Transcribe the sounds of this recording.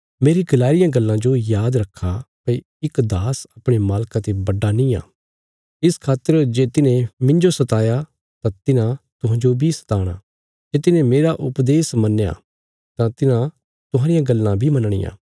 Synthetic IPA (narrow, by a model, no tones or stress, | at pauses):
meːɾiɡɐlaːɪɾɪjãɡɐlːãd͡ʒojaːd̪ɾɐkʰːapɐ | ɪkd̪aːsɐpɽ̃emaːlkãt̪ebɐɖːanĩa̰ː | ɪskʰaːt̪əɾd͡ʒeːt̪ɪnẽmɪ̃ɲd͡ʒosɐt̪aːja | t̪ãt̪ɪnãt̪ʊɦãːd͡ʒobʱisɐ̥t̪aːɽ̃a̰ | d͡ʒeːt̪ɪnẽmeːɾaʔʊpd̪eːsmɐnːja̰ | t̪ãt̪ɪnã | t̪ʊɦãːɾɪjãɡɐlːãbʱimɐnɽ̃ɪ̰jã̰ː